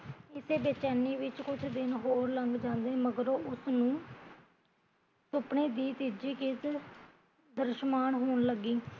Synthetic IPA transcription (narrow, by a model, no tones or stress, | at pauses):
ɪseːbeːt͡ʃaːniːʋɪt͡ʃkʊt͡ʃʰd̪ɪnɦoːɾləŋɡd͡ʒãːnd̪eːməɡəɾoːʔʊsnũː | sʊpɳeːd̪iːt̪id͡ʒiːkɪs | d̪əɾʃmaːnɦoːɳləɡiː